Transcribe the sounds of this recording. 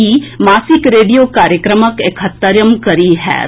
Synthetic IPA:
imaːsɪkɾeːɖijokaːɾjəkɾəməkekʰət̪ːəɾjəmkɐɾiɦɛ̰ː

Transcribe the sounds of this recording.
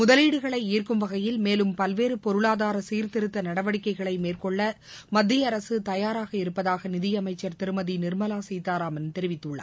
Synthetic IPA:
mʊðɐliːɽɯɣɐɭɐɪiːrkɯmʋɐɣɐjɪlmeːlɯmpɐlʋeːɾɯpɔɾɯɭaːðaːɾɐsiːɾt̪ɪɾɯt̪ːɐnɐɽɐʋɐɽɪkːɐɪɣɐɭɐɪmeːrkɔɭːɐ | mɐd̪ːɪjɐɾɐsɯt̪ɐjaːɾaːɣɐɪɾɯpːɐðaːɣɐnɪðɪjɐmɐɪt͡ʃːɐɾt̪ɪɾɯmɐðinɪɾmɐlaːsɛjt̪ːaːɾaːmɐnt̪ɛɾɪʋɪt̪ːɯɭːɐ̰

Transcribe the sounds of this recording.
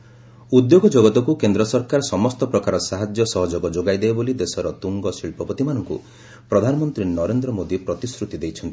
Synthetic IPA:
ud̪joɡɔd͡ʒɔɡɔt̪ɔkukend̪ɾɔsɔɾkaɾɔsɔmɔst̪ɔpɾɔkaɾɔsaɦad͡ʒjɔsɔɦɔd͡ʒoɡɔd͡ʒoɡajd̪ebolid̪esɔɾɔt̪uŋɡɔsiɭpɔpɔt̪imanɔŋkṵ | pɾɔd̪ʱanɔmɔnt̪ɾinɔɾend̪ɾɔmod̪ipɾɔt̪isɾut̪id̪ejt͡ʃʰɔnt̪i̥

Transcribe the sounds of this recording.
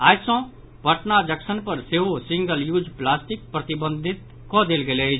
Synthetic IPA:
aːd͡ʒsɔ̃ | pəʈnad͡ʒəksənpəɾseːɦosɪ̃ŋɡəljuːd͡ʒplaːsʈɪk̚pɾət̪ɪbə̃nd̪ʱɪt̪̚ | kɔd̪eːlɡele

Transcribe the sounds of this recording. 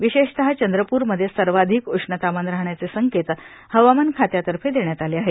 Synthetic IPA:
ʋiɕeɕt̪əɦat͡ɕənd̪ɾəpuːɾməd̪ʱːjesəɾʋad̪ʱikoʂɳət̪amanɾaɦɳjat͡sesəŋket̪ | həʋamənkʰat̪jat̪əɾfʰed̪eɳjat̪aleaɦe

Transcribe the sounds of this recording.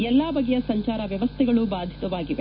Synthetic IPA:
ɛlːaːbɐɡɛjɐsɐɲt͡ʃaːɾɐʋjɐʋɐst̪ʰɛɡɐɭubaːd̪ʱit̪ɐʋaːɡiʋe

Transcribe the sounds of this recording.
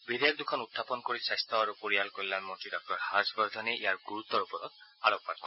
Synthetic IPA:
bid̪ejak̚d̪ukʰɔnut̪ʰːapɔnkoɾisajst̪ɔaɾupoɹialkoɹilanmɔnʈidɔk̚ʈɔɹhasbɔɾd̪ʱɔneʔijaɹɡuɾut̪ːɔupɔɾɔt̪̚aɾɔk̚pat̚kɔ

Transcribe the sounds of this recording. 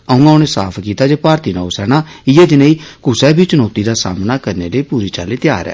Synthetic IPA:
əũːãʊneːsa̰ːpʰkiːt̪aːd͡ʒeːpaːɾt̪iːnaːosɛːɽ̃aːɪjɛːd͡ʒ̪ɪnaiːkʊsɛːbʱiːt͡ʃʊnɔːt̪iːd̪aːsa̰ːmnaːkəɾnḛːləiːpuːɾiːt͡ʃa̰ːliːt̪ɪjaːɾɛ̰ː

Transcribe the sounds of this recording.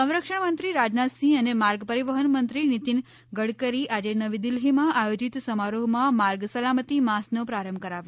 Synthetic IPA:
sə̃w̃ɾəkʂəɳmənt̪ɾiɾad͡ʒnasĩənemaɾɡpəɾiʋəɦənmənt̪ɾinit̪in | ɡəɽkəɾiʔad͡ʒenəʋid̪ɪlɦimãʔajod͡ʒit̪səmaɾoɦmãmaɾɡsəlamət̪imasnopɾaɾəmbʱkəɾaʋjo

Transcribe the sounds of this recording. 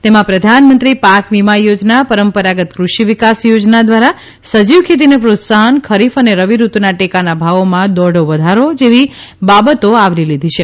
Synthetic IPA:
t̪emãpɾəd̪ʱanmənt̪ɾipakʋimajod͡ʒnapəɾəmpəɾaɡət̪kɾuʃiʋikasjod͡ʒnad̪ʋaɾa | səd͡ʒiʋkʰet̪̬inepɾot̪saɦənkʰəɾifəneɾəʋiɾut̪naʈekanabʱaʋomãd̪ɔɽoʋəd̪ʱaɾod͡ʒeʋi | babət̪oaʋɾilid̪ʱit͡ʃʰe

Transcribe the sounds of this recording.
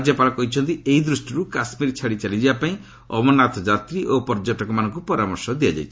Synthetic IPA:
d͡ʒjɔpalɔkɔɦit͡ʃʰɔnt̪ieid̪ɾusʈiɾukasmiɾt͡ʃʰaɽit͡ʃalid͡ʒibapaĩ | ɔ̰bɔnat̪ʰɔd͡ʒat̪ɾiʔopɔɾd͡ʒɔʈɔkɔmanɔŋkupɔɾamɔɾsɔd̪iad͡ʒa̰jt͡ʃʰ

